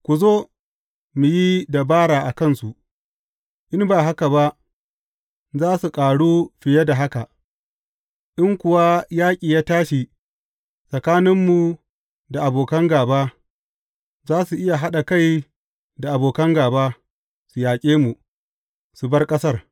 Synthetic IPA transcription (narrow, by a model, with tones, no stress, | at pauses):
kʷu˨zoː˦ | mu˨ji˦da˨baː˦ɽaː˨ʔa˨kɐ˦˨nsu˨ʔ | ʔɪ˦mbaː˨ɦa˦ka˨ba˦ʔ | zaː˦su˨kʼaː˨ɽuː˦ɸɪ˨je˦da˨ɦa˦ka˨ | ʔɪ˦ŋkʷʊ˨wa˦jaː˦kʲʼiː˨jaː˦taː˦ʃi˨ | sʼɐ˨kaː˦nɪ˦mːu˨ | da˨ʔa˨boː˨kɐ˦ŋɡaː˨baː˦ | zaː˦su˨ʔɪ˦ja˨ɦa˦ɗa˨ka˦˨j | da˨ʔa˨boː˨kɐ˦ŋɡaː˨baː˦ | su˨jaː˨kʲʼeː˦mu˨ | su˨bɐ˦rkʼɐ˦sɐ˦r